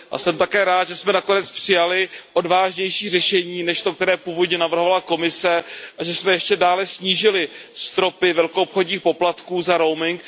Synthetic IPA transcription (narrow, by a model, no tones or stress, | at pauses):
ʔa̰sɛmt̪akɛːɾaːt̪ʒɛsmɛnako̞nɛt͡spr̥ɪjalɪʔo̞dvaːʒɲɛjʃiːrɛʃɛɲiːnɛʃt̪o̞k̚t̪ɛɾɛːpuːvo̞dɲɛnavr̩ɦovalako̞mɪsɛʔaʒɛsmɛjɛʃcɛdaːlɛsɲiːʒɪlɪst̪ɾo̞pɪvɛlkoopxodɲiːxpo̞plat̪kuːzaɾo̞wmɪŋk